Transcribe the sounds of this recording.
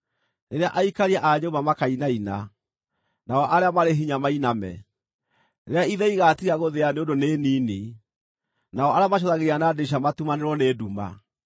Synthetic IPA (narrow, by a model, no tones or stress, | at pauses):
neɾeaʔaikaɾiaʔaɲomamakainaina | naɔʔaɾeamaɾeɦiɲamainamɛ̰ | eɾeaiðɛiɣatiaɣoðeaneondoneːnini | naɔʔaɾeamaʃ̬ɔðaɣeɾianadeʃ̬amatumaneɾwɔneːduma̰